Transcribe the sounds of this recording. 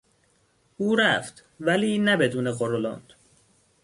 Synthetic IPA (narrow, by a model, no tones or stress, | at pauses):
ʔuːɾæft̪ | væliːnæbe̞d̪uːneɣoɾolɑ̰ːnd̪̥